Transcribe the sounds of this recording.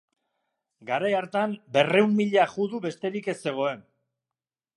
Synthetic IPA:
ɡaɾajaɾt̪ambe̞re̞umːiʎaʝuðuβe̞st̪e̞ɾike̞se̞ɣ̞o̞e̞n

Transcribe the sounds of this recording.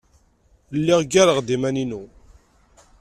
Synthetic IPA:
lːɪʁɡaɾəʁd̪imæninu

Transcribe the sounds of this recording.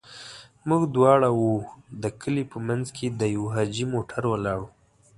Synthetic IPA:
muɡd̪wɑɽawud̪əkʰəlipəmanzkʰed̪əjawɦɑd͡ʒimoʈʰaɾwalɑɽu

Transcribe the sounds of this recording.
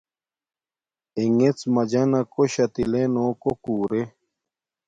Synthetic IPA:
iŋet͡smɐd͡ʑɐnɐkoɕɐt̪ilenoːkokuːɾe

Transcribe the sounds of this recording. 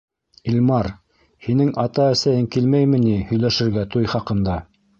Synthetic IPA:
ilʲmɑɾ | hinɘŋʔɑt̪ɑæsæjɘŋkilmæjmɘ̆nihɵ̆jlæʃɘ̆ɾɡæt̪ujχɑqɤ̆nd̪ɑ

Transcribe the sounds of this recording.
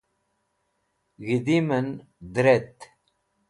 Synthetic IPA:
ɣid̪imən | d̪ɾet̪

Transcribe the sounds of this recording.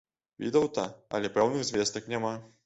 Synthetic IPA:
vʲḭd̪ɐwt̪ɐɐ̰lʲɛpɾawnɨɣzʲvʲɛst̪ɐknʲama

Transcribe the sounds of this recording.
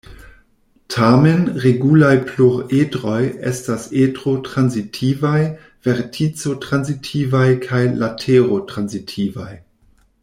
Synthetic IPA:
tʰamenʁeɡulajpʰluʁeːtʁojɛ̰staseːdʁotʁ̥anzitʰiːvaj | v̥ɛʁtʰit͡sotʁ̥anzitʰiːvajkʰajlatʰeːʁotʁ̥anzitʰiːvaj

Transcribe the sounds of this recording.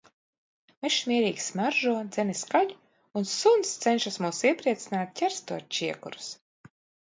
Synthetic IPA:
meʃmʲiɛɾiːksmaɾʒuɔd̪z̥ɛniskaʎ | unsunst̪sɛnʃasmuːsiɛpɾiɛt̪sinaːt̪̚cʲɛɾst̪uɔːt͡ʃiɛkṵɾu̥s

